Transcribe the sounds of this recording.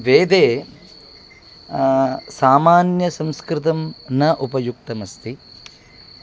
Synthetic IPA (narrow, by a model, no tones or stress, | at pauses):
ʋeːd̪eː | saːmaːnjɐsɐ̃mskɾɪt̪ɐmnɐʔupɐjuk̚t̪ɐmɐst̪i